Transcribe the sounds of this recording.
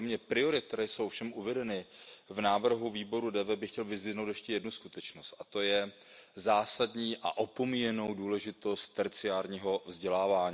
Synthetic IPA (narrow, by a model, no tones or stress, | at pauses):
omɲɛpɾɪo̞ɾɪkt̪ɛɾɛːjso̞wfʃɛmʔuvɛdɛnɪvnaːvr̩ɦuviːbo̞ɾudɛvɛbɪxcɛlvɪzvɪnowt̪jɛʃcɛjɛdnuskut̪ɛt͡ʃnost̪ʔat̪o̞jɛ | zaːsadɲiːʔa̰ʔopo̞mijɛno̞wduːlɛʒɪt̪o̞st̪̚t̪ɛɾt͡sɪaːɾɲiːɦo̞vzɟɛlaːvaːɲi